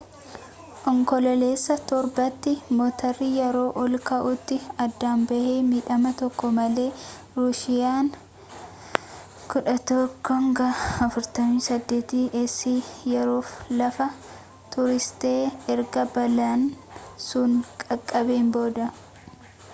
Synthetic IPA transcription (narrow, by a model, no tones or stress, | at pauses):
ʔɔŋkɔlɐle̞ːsːɐt̪ɔɾbɐt̪ːɪmoːt̪ʰɐrːɪjɛɾo̞ːʔɔlkɐʔʊt̪ːɪɐd̪ːaːmbɐheːmiːᶑɐmɐt̪ɔkːɔmɐle̞ː | ɾʊsɪjaːŋ | kʊᶑɐt̪ɔkʰːɔŋɡɐɐfʊɾt̪ɐmiːsɐd̪ːe̞ːt̪iːʔɛsːiːjɛɾo̞ːflɐfɐ | t̪ʊɾɪst̪e̞ːɛɾɡɐbɐlansʊŋkʼɐkʼːɐbe̞ːmbo̞ːd̪ɐ